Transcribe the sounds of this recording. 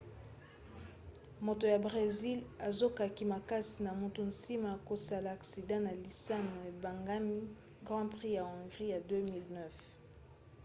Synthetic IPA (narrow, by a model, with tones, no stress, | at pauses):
mo˨to˨ja˨bʁe˨zi˦la˨zo˦ka˨ki˨ma˨ka˦si˨na˨mo˨tu˨n̩si˦ma˨a˨ko˨sa˨la˨a˨ksi˨dɑ̃˦na˨li˨sa˦no˨e˨ba˨ŋɡa˦mi˦ | ɡʁɑ̃˦pʁi˦ja˨ɔ̃˨ŋɡʁi˦ja˨dø˦mi˦lnɛ˦f